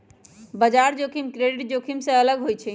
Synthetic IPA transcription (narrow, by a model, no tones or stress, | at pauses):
bəd͡ʒaɾd͡ʒokʰimkɾeɖiʈ̚d͡ʒokʰimsẽələɡɦojt͡ʃʰɛ